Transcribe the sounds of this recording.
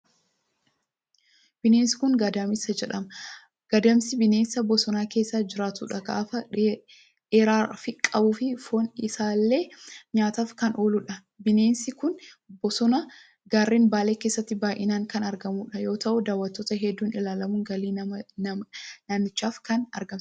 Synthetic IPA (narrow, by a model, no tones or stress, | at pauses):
b̥ɪneːnsɪ̥kʊŋɡɐd̪aːmɪsɐd͡ʒɛᶑɐmɐ | ɡ̥ɐd̪ɐmsɪbɪneːnsɐbɔsɔnaːke̞ːsːaːd͡ʒɪɾaːt̪uːᶑɐɡa̰ːfɐ | ᶑeːɾaːfɪkʼɐbuːfɪfoːnɪsaːlːe̞ːɲaːt̪aːfkɐnʔoːluːᶑɐ | bɪne̞ːnsɪkʊn | bɔsɔnɐ | ɡaːrːiːnbaːleːke̞ːsːɐt̪ːɪbaːjʔɪnaːŋkɐnɐɾɡɐmuːᶑɐjo̞ːt̪ɐʔʊd̪aːwːɐt̪ːoːt̪ɐɦɛd̪ːuːnɪlaːlɐmʊŋɡɐliː | nanːɪt͡ʃːaːfkɐnɐ̰ɾɡɐms